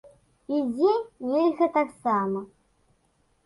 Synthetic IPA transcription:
id͡zʲenʲelʲɣɐt̪aksamɐ

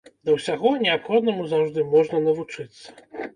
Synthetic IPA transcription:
d̪ɐwsʲaɣɔnʲɛapxɔd̪nɐmuzawʐd̪ɨmɔʐnɐnɐvut͡ʂɨt̪sːɐ̥

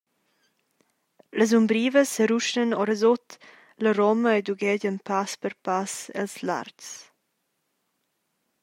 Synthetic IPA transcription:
ləz̬umbɾiːvəsːəɾuʃənɔɾəzɔt̪ | ləɾɔməed̪uɡɛɟənpʰaspəɾpasɛ̰lsla̰rts

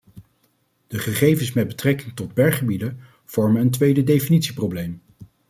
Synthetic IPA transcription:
d̥əχəχejvənsmɛd̚bətrɛkɪŋtɔd̚bɛɹχəbidə | v̥ɔɹmənəntʋejdədejfinitsiprowblejm

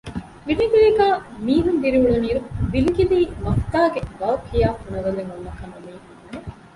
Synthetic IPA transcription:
ʋiliɡiliɡaːmiːɦund̪iɾiʋuɭuniːɾuʋiliɡiliːmɐft̪aːɡeʋɐːɐkʰːijaːfunɐʋɐlːeŋunːɐkɐnumiː

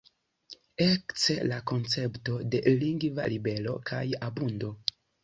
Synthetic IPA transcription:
ekt͡selako̞nt͡se̞pto̞de̞liŋɡva̰libe̞lo̞kʰajabundo̞

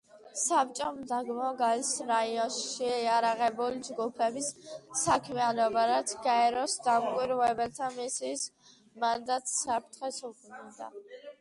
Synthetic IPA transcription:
sap̚t͡ʃʼɔmd̪aɡmɔɡaɛsɾaiɔnʃʃiɛaɾaʁɛbulid͡ʒɡupʰɛbisːakʰmɛanɔbaɾat̪sʰɡaɛɾɔsd̪amkʼwiɾvɛbɛlt̪ʰamisiːs | mand̪at̪ʰʼsap̚ʰt̪ʰχɛsuknud̪a̰

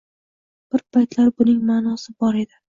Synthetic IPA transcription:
b̥ɪɾpʰajt̪laɾbʊnɪŋmaːnɒsɪbɒɾe̞d̪ɪ

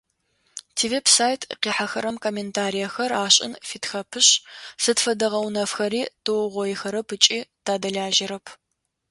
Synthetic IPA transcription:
tʰivepsaːjtʰqiːħaxɐɾɐmkʰomeːntʰaːɾijɐxɐraːɕʼɪ̰nfitxɐpʰɨɕsɨtfɐdɐʁɐwnɐfxɐɾiːd̥ɨwʁʷɔjɪxɐɾɐpɨt͡ʃʼiːtʰaːdɐɮaːʒɪɾɐpʰ

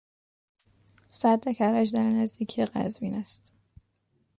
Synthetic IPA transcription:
sæd̪ːekʰæɾæʃd̪æɾnæzd̪iːcʰijeɢæ̰zviːnæst̪

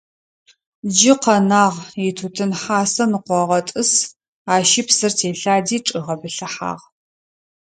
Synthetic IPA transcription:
d͡ʒɪqɐnaːʁitʰutʰɨnħaːsɐnɨqʷɔʁɐtʼɨs | aːʃɪpsɨrtʰeːɬaːdiːʈ͡ʂʼɨʁɐbɨɬɐħa̰ːʁ

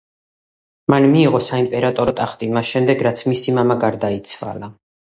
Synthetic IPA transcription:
manmiːʁɔsaimpʼɛɾat̪ʼɔɾɔt̪ʼaχt̪ʼimasʃɛmd̪ɛɡɾat̪sʰmisimamaɡaɾd̪ait̪sʰva̰la

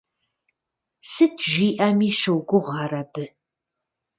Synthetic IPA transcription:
sɨtʰʒiːʔɐmiːʃɐwɡʷʊʁɑːrɐbɨ

